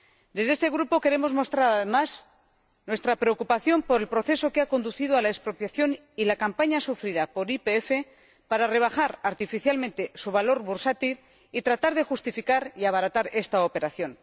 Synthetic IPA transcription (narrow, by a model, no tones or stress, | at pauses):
d̪e̞zðest̪e̞ɣɾupo̞ke̞ɾemo̞zmo̞st̪ɾaɾaðemas | nwe̞st̪ɾapɾe̞okupaθjo̞mpo̞ɾe̞lpɾo̞θe̞so̞keako̞nd̪uθið̞oalaespɾo̞pjaθjo̞n | ilakampaɲasufɾiðapo̞ɾipeefe̞ | paɾare̞β̞axaɾaɾt̪ifiθjalmẽ̞nt̪e̞suβ̞alo̞ɾβuɾsat̪il | it̪ɾat̪aɾðe̞xust̪ifikaɾiaβaɾat̪aɾe̞st̪aope̞ɾaθjo̞n